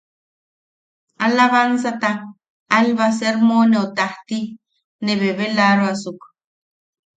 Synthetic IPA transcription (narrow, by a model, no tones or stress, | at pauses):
alaβansat̪aː | lβas̬eɾmoneot̪aht̪i | neβeβelaɾoasuk